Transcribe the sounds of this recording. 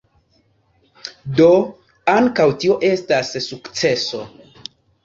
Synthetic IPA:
do | aŋkawtio̞ʔe̞stasːukt͡se̞so̞

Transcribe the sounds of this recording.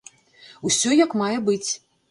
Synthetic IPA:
usʲɔjakmajɛbɨt͡sʲ

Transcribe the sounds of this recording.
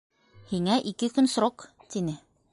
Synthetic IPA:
hiŋæʔikɘkɵnsɾoqt̪inɘ

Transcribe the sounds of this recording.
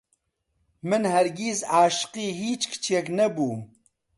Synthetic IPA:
mɨnhɛɾɡizaːʃɨ̥qiːɦiːt͡ʃkt͡ʃʰek̬nɛbuː

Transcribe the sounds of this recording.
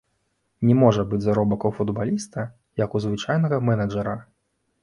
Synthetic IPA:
nʲɛmɔʐɐbɨd͡zʲzaɾɔbɐkɐwfud̪balʲist̪ɐ | jɐkuzvɨt͡ʂajnɐɣɐmɛnɐd͡ʐɐɾɐ

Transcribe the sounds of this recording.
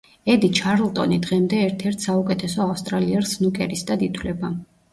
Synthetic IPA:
ɛd̪it͡ʃʰaɾlˠt̪ʼɔ̰nid̪ʁɛmd̪ɛːɾt̪ʰɛɾt̪ʰsaukʼɛt̪ʰɛsɔafst̪ʼɾaliɛɾsnukʼɛɾisd̪ad̪it̪ʰwlɛba

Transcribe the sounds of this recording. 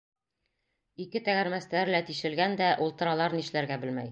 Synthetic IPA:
ikɘt̪æɡæɾmæst̪æɾlæt̪iʃɘ̆lɡænd̪æʔulˠt̪ɤ̆ɾɑlˠɑɾniʃlæɾɡæbɘ̆lmæ̰j

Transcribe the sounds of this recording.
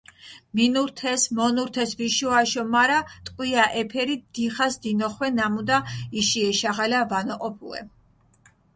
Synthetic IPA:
minuɾt̪ʰɛsmɔnuɾt̪ʰɛsviʃuaʃɔmaɾat̪ʼqʼwiaʔɛpʰɛɾid̪̥iχasd̪inɔχwɛnamud̪aiʃiɛʃaʁalavanɔqʼɔpʰṵɛ̰

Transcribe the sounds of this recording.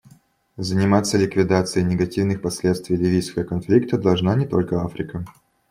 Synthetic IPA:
zənʲɪmat̪sːəlʲɪkvʲɪd̪at̪sɨjɪnʲɪɡɐtʲivnɨxpɐsʲlʲe̞t̪st̪vʲijlʲivʲijskəvəkɐnflʲik̚t̪əd̪ɐlˠʐnanʲɪt̪o̞̰lʲkəafɾʲɪkə

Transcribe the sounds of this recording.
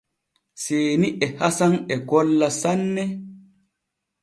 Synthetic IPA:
seːniʔɛhasanɛɡɔlːasanːɛ

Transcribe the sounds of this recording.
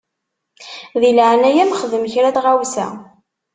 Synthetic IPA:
ðilʕnæjæmχəðəmçɾæθʁawsæ̰

